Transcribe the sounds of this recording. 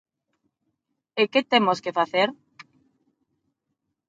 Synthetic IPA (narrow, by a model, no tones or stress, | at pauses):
eket̪emoskefaθeɾ